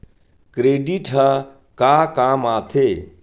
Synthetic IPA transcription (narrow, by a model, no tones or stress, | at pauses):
kɾeːɖiːʈʰɦa | kaːkaːmaːt̪ʰeː